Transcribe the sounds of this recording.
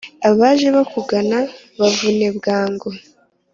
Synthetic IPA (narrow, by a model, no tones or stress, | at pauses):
aβaʒe̞βakuɡana | βavune̞bɡaːŋɡo